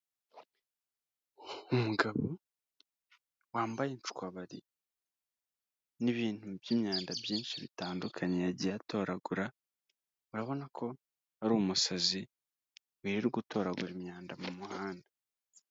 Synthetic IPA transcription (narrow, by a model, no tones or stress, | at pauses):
umuɡaβo | waːmbajent͡ʃu̥kwaβaɾḭ | niβiːntubjiːmɲaːndabjiːnʃiβḭtaːndukʰaɲejaɟijato̞ɾaɡuɾa | uɾaβo̞nakʰo̞ | aɾuːmusazi | wiːɾiɾuɡutʰo̞ɾaɡuɾimɲaːndamumuhaːnda